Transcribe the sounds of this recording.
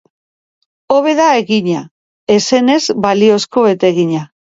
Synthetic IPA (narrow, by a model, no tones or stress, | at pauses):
o̞β̞e̞ðae̞ɣiɲa | e̞se̞ne̞zbalio̞sko̞et̪e̞ɣiɲa